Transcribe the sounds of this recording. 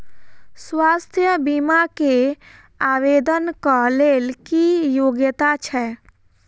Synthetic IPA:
swast̪ʰjəbimake | aʋed̪ənkəlelkijoɡjət̪at͡ʃʰɛ

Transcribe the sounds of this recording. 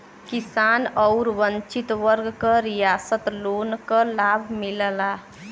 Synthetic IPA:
kisanɔʊɾʋənt͡ʃit̪ʋəɾɡkəɾijasət̪lonkəlabʱmiləla

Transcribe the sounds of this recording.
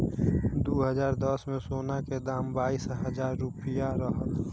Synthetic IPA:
d̪oːɦəzaːɾd̪ɔsmẽsoːnaked̪aːmbaːiːsɦəzaːɾːupɪjaɾəɦət̪

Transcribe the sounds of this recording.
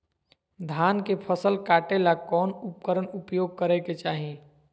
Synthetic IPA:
d̪ʱaːnkepʰəsəlkaːʈelakɔːnʊp̚kəɾənʊpjoːɡ̚kəɾɛket͡ʃaːɦĩ

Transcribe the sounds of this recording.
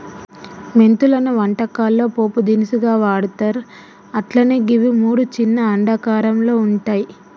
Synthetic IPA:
me̞nt̪ulɐnuʋɐɳʈɐkaːlːo̞ːpoːpud̪inisuɡaːʋaːɽut̪ɐɾ | ɐʈlɐneːɡiʋimuːɽut͡ʃinːɐːɳɖɐkaːɾɐmlo̞ːuɳʈaːji

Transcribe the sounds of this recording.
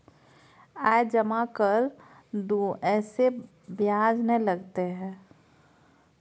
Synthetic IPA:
aːed͡ʒəmakəɾ | d̪uɛːse | bjaːd͡ʒnələɡt̪eɦɛ̃ː

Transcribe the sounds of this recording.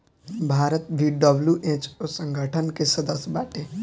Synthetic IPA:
bʱaːɾət̪ʋiːɖəbljuʔẽːt͡ʃosə̃ŋɡʱəʈʰənkesɐd̪əsbaːʈeː

